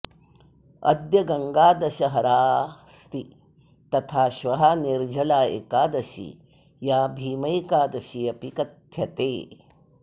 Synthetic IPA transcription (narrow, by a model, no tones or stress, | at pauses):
ɐ̰d̪jɐɡɐŋɡaːd̪ɐʃɐɦɐɾaːst̪i | t̪ɐt̪ʰaːʃʋɐɦɐniɾd͡ʒʱɐlaːḛkaːd̪ɐʃḭ | jaːbʱiːmɐjkaːd̪ɐʃijɐpikɐt̪ʰjɐt̪eː